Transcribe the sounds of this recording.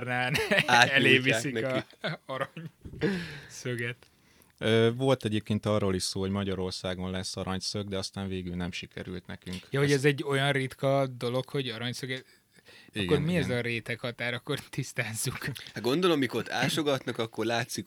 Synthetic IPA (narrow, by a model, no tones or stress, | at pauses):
rnaːnaːɛleːvisinɒ | ɒɾɒɲ | søɡɛt̪ | øːvo̞lt̪ɛɟeːp̚keːnt̪ɒrːoːliʃsoːho̞ɟmɒɟɒɾo̞rsaːɡo̞nlɛsːɒɾɒɲsøɡ̚d̪ɛɒst̪aːɱveːɡylnɛmʃikʰɛ̰ɾylt̪nɛkyŋkjɒhoɟɛzɛɟːo̞jɒnrit̪kɒd̪o̞lo̞kho̞ɟɒɾɒɲsøɡɛ | iɡkːo̞rmiɛzɒɾeːt̪ɛkhɒt̪aːɾɒkːo̞rt̪ist̪aːzːukhaɡond̪o̞lomːikort̪a̰ːʃoɡɒt̪nɒkɒkːo̞rlaːt̪sik